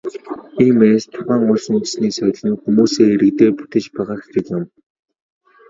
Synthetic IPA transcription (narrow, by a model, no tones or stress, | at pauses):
iːmeːst̪ʰʊʁæːŋʊɮsun̆sniːsœ̆ɮniːxumuːseːeɾɘ̆k̚t̪eːpu̥t̪ĕt͡ɕpæːʁaːxxĕkjʊ̆m